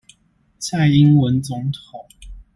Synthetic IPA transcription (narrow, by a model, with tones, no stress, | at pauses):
sʰa˥˨ɪi˦nwə˨˦nt͡sʊ˧˦ŋt̪ʰo˨˩˦ŋ